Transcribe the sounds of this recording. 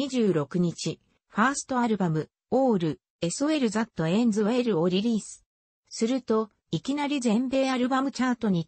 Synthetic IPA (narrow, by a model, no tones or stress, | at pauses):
iʑɨːɾo̞kɯ̟ɲ̟it͡ɕi | ɸaːsɨ̥t̪o̞aɾɯ̟bamɯ̟ | o̞ːɾɯ̟ | e̞soe̞ɾɯ̟zat̪ːo̞ẽ̞nd͡zɨβae̞ɾɯ̟o̞ɾʲiɾʲiːsɨ̥ | sɨɾɯ̟t̪o̞ | ikʲinaɾʲizẽ̞mbe̞ːaɾɯ̟bamɯ̟t͡ɕaːt̪o̞ɲ̟i